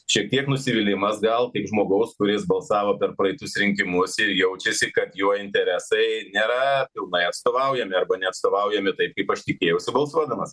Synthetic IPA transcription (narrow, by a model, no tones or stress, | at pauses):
ʃʲiɛk̚t̪ʲiɛknʊsʲɪʋʲɪlʲɪmɐsɡɐlˠkʲɐɪpʒmoːɡɐʊskʊɾʲɪsbɐlˠsɑːʋoːpʲɛɾpɾɐɪt̪ʊsɾʲɪŋʲkʲɪmʊsɪɾjɛʊt͡ʃʲɛsʲɪkɐt̪juɔɪnʲt̪ʲɛɾʲæsɐɪnʲeːɾɐpʲɪlˠnɐɪɐt̪st̪oːʋɐʊjɛmʲɪɐɾbɐnʲɛɐt̪st̪oːʋɐʊjɛmʲɪt̪ɐɪp̚kɐɪpɐʃt̪ʲɪkʲeːjɛʊsʲɪbɐlˠsuɔd̪ɐmɐs